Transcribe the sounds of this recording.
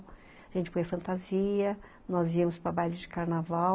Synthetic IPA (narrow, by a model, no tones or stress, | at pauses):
aʒẽnt͡ʃɪ̥pojɐfɐ̃nt̪aziɐ | nɔziɐmʊspɾɐbajlʊd͡ʒɪkaɾnavaw